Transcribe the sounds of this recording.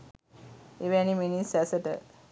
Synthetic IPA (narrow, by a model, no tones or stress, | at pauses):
eʋæniminisæsəʈə̰